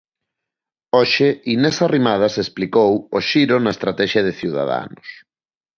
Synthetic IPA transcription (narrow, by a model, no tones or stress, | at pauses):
oʃɪinesarimað̞ɐsesplikowoʃiɾonɐest̪ɾat̪ɛʃjɐðeθiwða̰ða̰nʊs